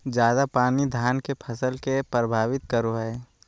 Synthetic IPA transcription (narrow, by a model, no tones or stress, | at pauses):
d͡ʒjaːd̪apaːnid̪ʱaːnkepʰɐsəlkepɾəbʱaːʋɪt̪̚kəɾoɦɛː